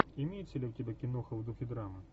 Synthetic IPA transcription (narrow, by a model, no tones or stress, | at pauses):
imʲejt͡sʲsʲlʲɛwt̪ʲɛbʲɛkʲinɔxɐwd̪uxʲid̪ɾamɨ